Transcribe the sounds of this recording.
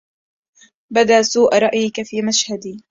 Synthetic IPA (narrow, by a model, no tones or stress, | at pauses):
bad̪aːsuːʔɾˤɑʔjɪkafiːmaʃhad̪iː